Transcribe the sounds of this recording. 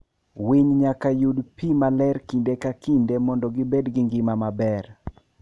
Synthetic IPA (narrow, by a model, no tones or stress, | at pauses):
wiɲɲakajudpimalɛɾkindekakindemɔndɔɡɪbedɡɪŋɡɪmamabɛr